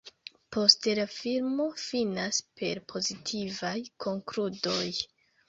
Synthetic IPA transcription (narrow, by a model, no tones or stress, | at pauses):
po̞ste̞lafiɾmo̞finaspʰe̞̰ɾpʰo̞zitʰivajkʰo̞ŋkludo̞j